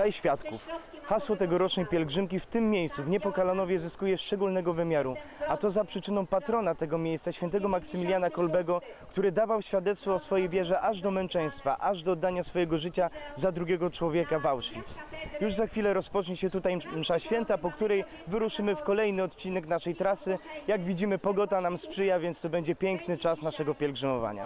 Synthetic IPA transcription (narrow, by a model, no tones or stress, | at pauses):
ajɕfʲjat̪kuf | xaswɔt̪ɛɡɔɾɔt͡ʂnɛjpʲjɛlɡʐɘmkʲift̪ɘmːjejst̪suvɲɛpɔkalanɔvʲjɛzɘskujɛʂt͡ʂɛɡulnɛɡɔvɘmʲjaɾu | at̪ɔzapʂɘt͡ʂɘnɔ̃w̃pat̪ɾɔnat̪ɛɡɔmʲjejst̪saɕfʲjɛnt̪̬ɛɡɔmaksɘmʲiljanakɔlbɛɡɔ | kt̪uɾɘd̪avawɕfʲjad̪ɛt̪st̪fɔːsfɔjejvʲjɛʐɛʔaʐd̪ɔmɛnt͡ʂɛj̃st̪fa̰ʔaʐd̪ɔːd̪ːaɲasfɔjɛɡɔʐɘt͡ɕazad̪ɾuɡʲjɛɡɔt͡ʂwɔvʲjɛkavawʂfʲit̪sjuʐzaxfʲilɛɾɔspɔt͡ʂɲɛɕɛt̪ut̪ajmʂaɕfʲjɛnt̪apɔkt̪uɾɛj | vɘɾuʂɘmɘfkɔlɛjnɘɔt̪t͡ɕinɛknaʂɛjt̪ɾasɘjaɡvʲid͡ʑimɘpɔɡɔt̪anamspʂɘjavʲjɛnt̪st̪ɔbɛɲd͡ʑɛpʲjɛŋknɘt͡ʂasnaʂɛɡɔpʲjɛlɡʐɘmɔva̰ɲa̰